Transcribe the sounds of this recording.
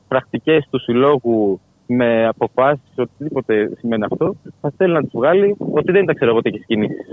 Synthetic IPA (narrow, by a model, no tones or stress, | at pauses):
pɾɐkt̪ice̞st̪usilo̞ɣu | me̞ɐpo̞fɐsi̥so̞t̪iðipo̞t̪e̞sime̞neɐft̪o̞θɐθelinɐt̪uzvɣɐlio̞t̪iðent̪ɐkse̞ɾoɣot̪ieçiscinisi̥s